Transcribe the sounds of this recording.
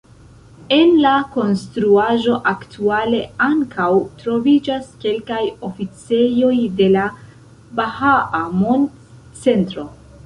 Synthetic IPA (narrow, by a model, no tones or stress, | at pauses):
e̞nlako̞nstɾuaʒo̞ʔaktʰuale̞aŋkawtɾo̞vid͡ʒaske̞lkajo̞fit͡se̞jo̞jde̞la | bahaʔamon | t͡se̞ntɾo̞